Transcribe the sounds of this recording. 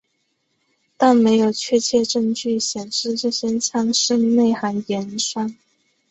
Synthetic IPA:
t̪a˥˩nme˧˥ɪjo˨˩ʊt͡ɕʰɥɛ˥˧t͡ɕʰjɛ˥˧ʈ͡ʂɤ˥˧ŋt͡ɕy˥˩ɕjɛ˨˩nʂɻ̩˥˧ʈ͡ʂɤ˥˩ɕjɛ˥nt͡ɕʰjɑ˥˧ŋʂə˥ŋne˥˩ɪxa˧˥njɛ˧˥nʂwa˥˩n

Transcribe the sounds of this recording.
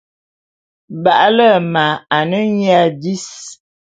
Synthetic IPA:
ba˨ʔlə˦˨ma˨a˨nə˦ɲja˦˨di˦s

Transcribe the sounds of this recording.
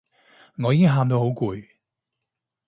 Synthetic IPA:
ŋɔː˨˧jiː˨˥kɪ˥ŋɦaː˧mt̪o˧who˨˥wkuː˧j

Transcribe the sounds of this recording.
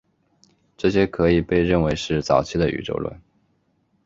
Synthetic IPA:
ʈ͡ʂɤ˥˩ɕjɛ˥kʰɤ˧˥i˨˩pe˥˧ɪɻə˥˩nwe˧˥ɪʂɻ̩˥˩t͡sɑ˨˩ʊt͡ɕʰi˥d̪ə˨ʔy̰˨˩ʈ͡ʂo̰˥ʊlwə̰˥˩˦n

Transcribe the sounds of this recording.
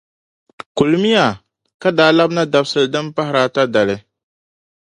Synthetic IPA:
ku˨lmi˦ja˨ | ka˦daː˨˦la˦bna˦da˨bsɨ˨lɨ˨dɨ˦mpa˦hɪ˦ɾaː˦ta˦da˨lɨ˦

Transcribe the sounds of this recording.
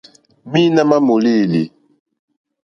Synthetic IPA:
mi˦na˦ma˦mo˨li˦˨li˨

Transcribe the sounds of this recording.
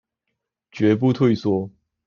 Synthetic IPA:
t͡ɕɥɛ˧˥p̬u˥˧t̪ʰwe˥˧˩ɪswɔ˥

